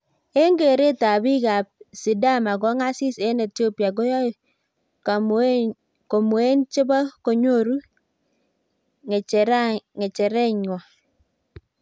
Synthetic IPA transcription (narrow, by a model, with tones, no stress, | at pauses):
e˦ŋɡe˨ɾe˦ta˨bi˦ka˨p̚si˨da˦˨ma˨ɡɔ˦ŋa˦si˦se˦ne˨tjo˦pja˨ɡo˦jɔ˦ | ka˨m | ko˨mu˨e˦nt͡ʃɪ˦ba˦ko˨ɲo˦˨ɾu˦ | ŋ˨ɾŋe˨t͡ʃɛ˨ɾɛ˦ɲwɔ˨